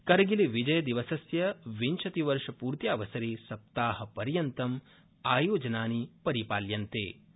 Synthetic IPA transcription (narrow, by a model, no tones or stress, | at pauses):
kɐɾɐɡiliʋid͡ʒɐjɐd̪iʋɐsɐsjɐʋiɲt͡ʃʰɐt̪iʋɐɾʂɐpuːɾt̪jaːʋɐsɐɾiːsɐp̚t̪aːɦɐ̆pɐɾjɐnt̪ɐm | aːjoːd͡ʒɐnaːnipɐɾipaːljɐnt̪ḛː